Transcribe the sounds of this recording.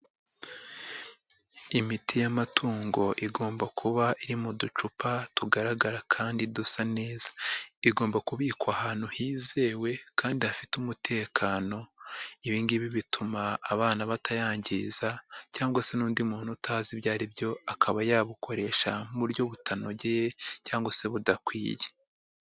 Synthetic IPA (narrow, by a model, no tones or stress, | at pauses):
imitʰijamatʰuːŋɡo̞ʔiɡo̞ːmbakʰuβaʔiɾimudut͡ʃupatuɡaɾaɡaɾakʰaːndidusane̞ːzḁiɡo̞ːmbakuβiːkwahaːn̥huhiːze̞ːwe̞kaːndihafitumutʰe̞ːkʰaːno̞iβiːŋɡiβiβitʰumaːβaːnaβatʰajaːɲɟizacaːŋɡwase̞nuːndimuːn̥hutaːziβjaːɾibjo̞akʰaβajaβukʰo̞ɾe̞ːʃaβuɾjo̞βutʰano̞ɟejecaːŋɡwase̞βudakwḭːje